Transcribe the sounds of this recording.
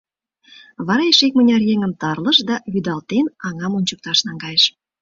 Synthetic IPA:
βɑɾɑeʃek̚mə̆nʲɑrjeŋə̆mt̪ɑrlə̆ʃd̪ɑβyd̪ɑlt̪enɑŋɑmunʲt͡ɕək̚t̪ɑʃnɑŋɡɑjəʃ

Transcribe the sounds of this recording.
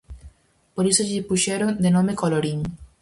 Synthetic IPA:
poɾisoʎipuʃeɾond̪enõmekoloɾiŋ

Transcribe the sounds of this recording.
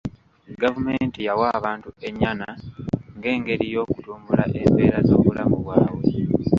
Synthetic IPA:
ɡavume̞ntijawaβaːntue̞ɲːanaŋɡe̞ːŋɡe̞ɾijo̞ːkutuːmbula̰ʔe̞mpe̞ːɾazo̞ːβulamuβwaːwe

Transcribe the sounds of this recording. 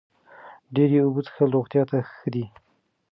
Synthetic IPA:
ɖeɾeubut͡sxəɾoɣt̪jɑt̪axəd̪i

